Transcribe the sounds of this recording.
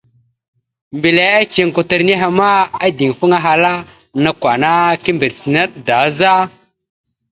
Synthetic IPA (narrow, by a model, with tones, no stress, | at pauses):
mbi˨le˨a˦t͡ʃi˨ŋku˨tə˨ɾni˦ɦa˨ma˦a˦di˨ŋ˨fu˦ŋa˦ɦa˨la˦ | na˨kʷa˨na˦ki˦mbi˨ɾsi˨na˦ɗda˨˦za˦